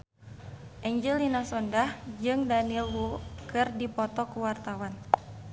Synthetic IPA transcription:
ʔɛɲd͡ʒilinasɔndahd͡ʒɨŋdanilwukɨrdipɔt̪ɔkuwart̪awan

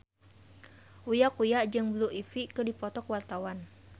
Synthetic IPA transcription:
ujakujaʔd͡ʒɨŋbluʔifikədipɔt̪ɔkwart̪awan

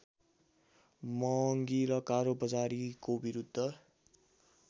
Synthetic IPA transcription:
mʌŋɡiɾʌkaɾobʌd͡zaɾikobiɾud̪ʱːʌ

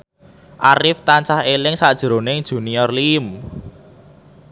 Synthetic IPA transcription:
ʔaɾɪft̪ant͡ʃahelɪŋsad̥ʒ̥ɾo̤nɪŋd̥ʒ̥ṳniɔrlim

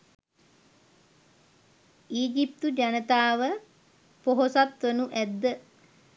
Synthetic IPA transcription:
iːd͡ʒip̚t̪ud͡ʒanət̪aːʋə | poɦosat̪ʋənuʔæd̪ːə

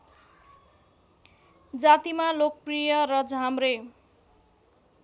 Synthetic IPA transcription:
d͡zat̪imalok̚prijʌɾʌd͡zʱamrej

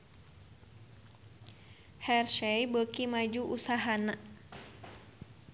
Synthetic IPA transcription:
hɛrʃɛjbəkimad͡ʒuʔusaɦanaʔ

